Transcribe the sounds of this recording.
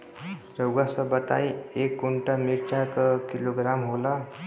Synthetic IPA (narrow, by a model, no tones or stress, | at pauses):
ɾəwɡasəbət̪a̰iekːuɳʈamiɾt͡ɕakkiloɡɾamɦola